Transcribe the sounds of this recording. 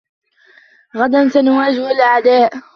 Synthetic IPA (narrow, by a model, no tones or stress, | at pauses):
ɣad̪amθanwaːd͡ʒwalʔaʕd̪aːʔ